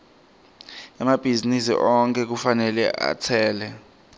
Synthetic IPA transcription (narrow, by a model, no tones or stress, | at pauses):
amab̥ʱizinisḭʔɔŋk̬ʰʼɛk̬ufanɛlɛ̰ʔa̰t͡sʰɛːlɛ